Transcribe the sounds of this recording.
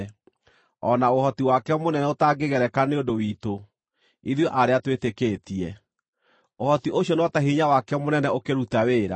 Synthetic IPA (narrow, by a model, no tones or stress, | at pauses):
ɔnaohɔtiwakɛmonɛnɛotaɡeɣɛɾɛkaneodowito | iðjoʔaɾeatwetekeːtiɛ | ohɔtiʔoɕjɔneɔtaɦiɲawakɛmonɛnɛokeɾutaweːɾa̰